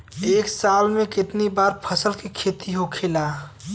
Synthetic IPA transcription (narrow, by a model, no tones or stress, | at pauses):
eːksalmẽkɪt̪nibaɾpʰəsəlkekʰet̪iɦokʰela